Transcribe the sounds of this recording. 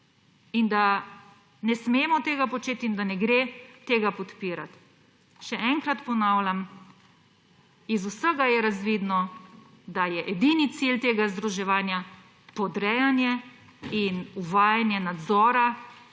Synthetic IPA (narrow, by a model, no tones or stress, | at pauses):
ind̪a | nɛsmeːmɔt̪eːɡapɔt͡ʃeːt̪ind̪anɛɡɾeːt̪eːɡapɔt̪piːɾat̪ | ʃɛɛŋkɾat̪pɔnaːwlam | izusəɡajɛɾazʋid̪nɔ | d̪ajɛʔɛd̪init̪silt̪eːɡazd̪ɾuʒɛʋaːnja | pɔd̪ɾɛjanjɛ | inuʋaːjanjɛnad̪zɔːɾa